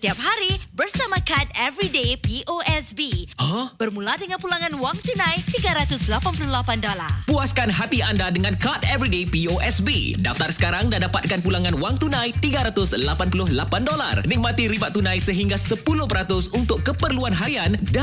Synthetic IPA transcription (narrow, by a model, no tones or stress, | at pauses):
t̪iap̚ɦaɾibərsamãkat̪̚ɛvɾidepiʔoʔɛsbiɔhb̥ərmũladəŋãnpulaŋãnwaŋt̪unãjt̪iɡaɾat̪ʊslapanpuluhlapandola̰rpuaskanɦat̪iandadəŋãnkat̪ɛvɾidepioʔɛsbḭdaft̪arsə̥kaɾaŋdadapat̪̚kanpulaŋãnwaŋt̪unãjt̪iɡaɾat̪ʊslapanpulʊhlapandola̰rnik̚mat̪iɾibaʔt̪ːunãjsəɦiŋɡasəpulʊhpəɾat̪ʊsunt̪ʊkːəpərluanɦajanda